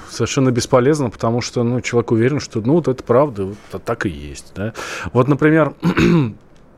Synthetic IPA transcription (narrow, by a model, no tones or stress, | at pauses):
səvʲɪrʂɛnːəbʲɪspɐlʲe̞znəpə̥t̪ɐmuʂt̪onut͡ɕɪlˠɐvʲekʊvʲeɾʲɪnʂt̪onuvot̪ɛt̪ə̥pɾavd̪əvot̪ːat̪akɨjḛsʲtʲd̪avo̞t̪nəpɾʲɪmʲe̞r